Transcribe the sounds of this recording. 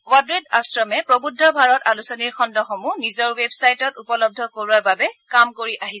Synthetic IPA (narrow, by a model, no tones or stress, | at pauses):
wadɹedasɹɔmɛpɹobudʱːɔbʱaɹɔtalusɔniɹxɔndɔxɔmunizɔɹwebsajtɔtupɔlɔb̚dʱɔkoɹuaɹbabɛkamkoɹiʔaɦiɛ